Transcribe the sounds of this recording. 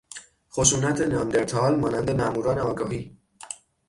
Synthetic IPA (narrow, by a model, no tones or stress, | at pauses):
χoʃuːnæt̪ʰe̞nɒːnd̪eɾt̪ʰɒːlmɒːnænd̪e̞mæʔmuːɾɒːneɒːɡɒːɦiː